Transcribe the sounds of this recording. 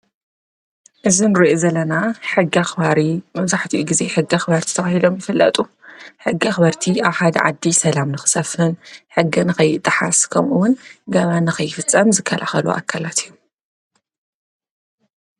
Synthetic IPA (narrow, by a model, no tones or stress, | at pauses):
ʔɨzinɨɾiʔozɐlːɐnaħɨɡːiaxbaɾimɐβzaħt̪ʰiʔuɡize̞ħɨɡːiaxβɐɾt̪ʰi̥t̪ʰɐxahid̪o̞mjɪfɨlːɐ̰t̪ʼuħɨɡːiaxβɐɾt̪ʰiʔaβħad̪ɐ̰ʕad̪ːisɐlamnɨxɨ̥sɐfhɨnħɨɡːɨnɨxɐjːɨt̪ʼːɨħaskʰɐmʔuwʊnɡɐβanɨxɐjːɪfɨt͡sʼːɐmzɨkʰːɐlʔaxɐlṵʔa̰kʰːalat̪ʰijːu